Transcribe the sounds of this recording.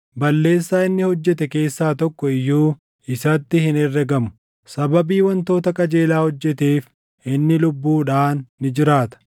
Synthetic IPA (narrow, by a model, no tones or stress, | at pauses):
bɐlːe̞ːsːaːɪnːɪhɔd͡ʒːɛt̪ɛke̞ːsːaːt̪ɔkːɔɪjːuː | ɪsɐt̪ːɪhɪnɛrːɛɡɐmʊ̥ | sɐbɐbiːwɐnt̪o̞ːt̪ɐkʼɐd͡ʒe̞ːlaːhɔd͡ʒːɛt̪eːf | ʔɪnːɪlʊbːuːᶑaːnːɪd͡ʒɪɾaːt̪ɐ̥